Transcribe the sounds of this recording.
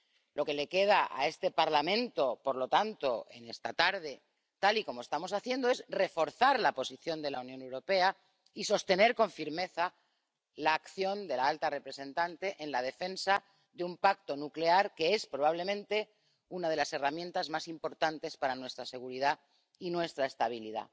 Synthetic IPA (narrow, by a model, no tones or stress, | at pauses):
lʔo̞ke̞le̞ke̞ð̞aʔa̰e̞st̪e̞paɾlamẽ̞nt̪o̞po̞ɾlo̞t̪ant̪o̞e̞̰ne̞st̪at̪aɾð̞e̞ | t̪aliko̞mo̞e̞st̪amo̞saθje̞nd̪oe̞zre̞fo̞ɾθaɾlapo̞siθjo̞nd̪e̞launjone̞wɾo̞pe̞a | iso̞st̪e̞ne̞ɾko̞ɱfiɾme̞θa | laːkθjo̞nd̪e̞laalt̪are̞pɾe̞se̞nt̪ant̪e̞ʔenlað̞e̞fe̞nsa | ðeumpak̚t̪o̞nukleaɾke̞espɾo̞β̞aβle̞mẽ̞nt̪e̞ | unað̞e̞lase̞ramjẽ̞nt̪azmasimpo̞ɾt̪ant̪e̞spaɾanwe̞st̪ɾase̞ɣuɾiða | inwe̞st̪ɾae̞st̪aβ̞iliða̰